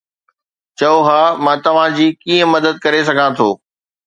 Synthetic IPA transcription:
t͡ɕɐoɦaːmãːt̪ɐʋ̤ãd͡ʑiːkiːə̃mɐd̪əd̪̚kɐɾes̬ɐɡʱãt̪ʰoː

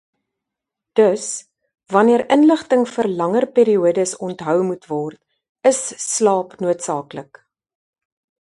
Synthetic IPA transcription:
d̥əs | vɐniəɾənləχtəŋfərlɐŋərpiːɾiuədəsɔntɦœwmutvɔrt | əsːlɑːpnuətsɑːklək

